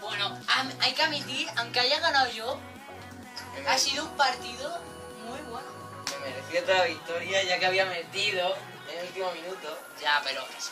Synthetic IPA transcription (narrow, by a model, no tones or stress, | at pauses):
bwenoamajkeamit̪iɾawŋkeajaɣanawʝo | asiðoumpaɾt̪iðo | mujβweno | memeɾeθjot̪alaβikt̪o̞ɾjaʝake̞aβiamẽnt̪iðo | enult̪imo̞mĩnut̪o | ʝape̞ɾo̰